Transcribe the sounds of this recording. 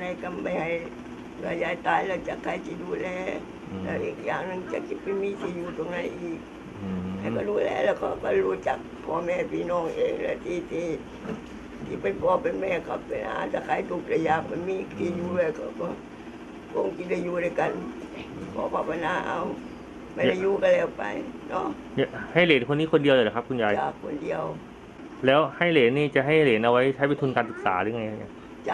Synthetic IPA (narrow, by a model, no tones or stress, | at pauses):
naikambahai | ɡajait̪ailət͡ʃakaitidulɛ | laikjanaŋt͡ʃa̰kipəmitijut̪oŋnaḭi | akadulɛ̰ləkəkəlut͡ʃak̚pomepinɔŋḛlə̰t̪it̪i | t̪ipənpɔpəmekapəna̰t͡ʃakait̪ukləjapəmikt̪ijulekəkə | koŋkit̚lajuːduːjkan | pʰɔ̰ːpʰaːpanaːʔaw | madajuːkalɛːwpa̰jnɔ | jahajleːnkʰonːiːkʰondiəlːlakʰapkʰunjaːt͡ɕaːkʰːondiəw | lɛːwhajleːnːiːt͡ɕaʔɦajleːnʔawajt͡ɕʰajpent̪ʰunkaːnsɯk̚sa̰ːɾɯŋajaɲa | t͡ɕa